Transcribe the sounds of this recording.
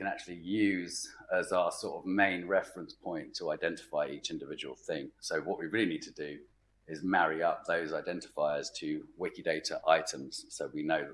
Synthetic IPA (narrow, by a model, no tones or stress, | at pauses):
kə̃ñak̚t͡ʃʉəlijʉːzəzaəsɔˑtəvmẽɪ̃nɹɛfɹə̃nspʰɔ̃ɪ̃ntʰəaɪdɛ̃ntɪ̥faɪiˑt͡ʃɪ̃ndɪvɪd͡ʒəwəlˠθɪ̃ŋsəʊwɒʔwiɹɪːliniːd̚tʰədə | ɪzmæɹiʌp̚ðəʊzaɪdɛ̃ntɪ̥faɪəz̥tʰəwɪkɪdeɪtʰəʔaɪtə̃mz̥səʊwinəʊ